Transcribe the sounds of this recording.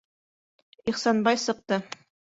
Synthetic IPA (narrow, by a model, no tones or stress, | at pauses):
iχsɑnbɑjsɤ̆q̚t̪ɤ